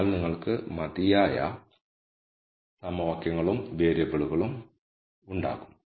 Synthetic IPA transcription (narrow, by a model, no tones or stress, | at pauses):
lniŋːɐɭkɨmɐðijaːjɐ̰ | sɐmɐʋɐkjɐŋːɐɭumʋe̞ːɾjɐbɐɭuɣɐɭum | uɳɖa̰ːɣum